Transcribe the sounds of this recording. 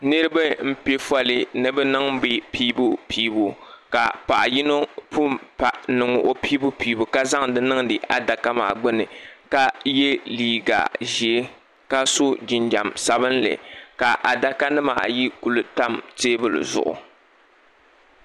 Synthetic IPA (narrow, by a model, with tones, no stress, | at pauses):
nɨ˦ɾɨ˦bɨ˦m̩˦pe˦fa˦lɨ˦nɨ˦bɛ˦nɨ˦ŋ̩˦bi˦piː˦bu˦pʰiː˦bo˨ka˨pa˨ʔa˨ji˦no˦pʰu˦˨mpa˨nɨ˨ŋʊ̰˨ʔo˨piː˦bu˦piː˨bo˨ka˦za˦ŋdɨ˦nɨ˦ŋdɨ˨ʔa˨da˨ka˦ma̰ː˨ɡ͡bʊ˦nɨ˨ka˦je˦liː˨ɡa̰˨ʒi˨e˦ | ka˦so˦d͡ʒɪ˨nd͡ʒa˨msa˦bɨ˦nlɨ̰˨ka˨ʔa˨da˨ka˦nɨ˦ma̰ː˨ji˦ku˨lɨ˨ta˦mteː˦bɨ˦˨lɨ̰˨zʊ̰˨ʔʊ̰˨